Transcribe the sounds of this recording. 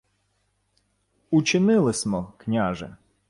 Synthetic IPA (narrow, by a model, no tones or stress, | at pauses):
ut͡ʃɪnɪlˠɪsʲmɔknʲaʒɪ̰